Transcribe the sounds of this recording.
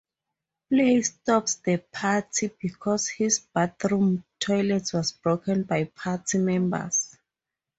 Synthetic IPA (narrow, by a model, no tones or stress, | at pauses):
plestɔpsdəpʰatʰibikʰɔshisb̥aθɹũmtʰɔjlɛtswɔsbɹokʰɛ̃nbajpʰatʰimɛ̃mbə̰s